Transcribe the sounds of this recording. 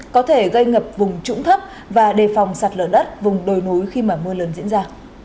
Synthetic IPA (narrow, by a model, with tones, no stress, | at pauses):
kɔ˨˦t̪ʰe˧˩ɣə˧jŋə˨˩p̚vʊ˨˩ŋ͡mt͡ɕʊ̰˧˥ŋ͡mt̪ʰə˦˥p̚ | vaː˨˩ɗe˨˩fa˨˩wŋ͡msaː˨˩t̚lə̰ː˧˨˩ɗə˦˥t̚vʊ˨˩ŋ͡mɗo˨˩jnu˨˦jxi˧maː˨˩mɨ˧ələː˨˦nzḭ˧˥ənzaː˧